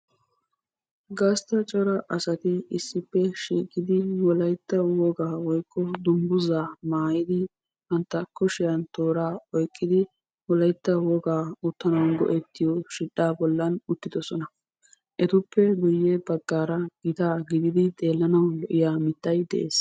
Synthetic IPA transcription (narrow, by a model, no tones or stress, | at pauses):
ɡɐst̪ɐt͡ʃʼɔɾɐʔɐsɐt̪ɪɪsːɪpːɛʃiːkʼɪd̪ɪwɔlɐjt̪ːɐwɔɡaːwɔjkʰːɔd̪ʊmbʊzaːmaːjɪd̪ɪ | ʔɐnt̪ːɐkɔʃɪjɐnt̪oːɾaːɔjkʼːɪd̪ɪ | wɔlɐjt̪ːɐwɔɡaːʊt̪ːɐnɐwnɡɔ̰ʔɛt̪ːɪjɔʃɪɗːaːbɔlːɐnʊt̪ːɪd̪ɔsɔnɐ | ʔɛt̪ʊpːɛɡʊjːɛbɐɡːaːɾɐɡ̥ɪt̪aːɡɪd̪ɪd̪ɪt̪ʼe̞ːlːɐnɐwlɔʔɪjaːmɪt̪ːɐjd̪ɛ̰ʔeːs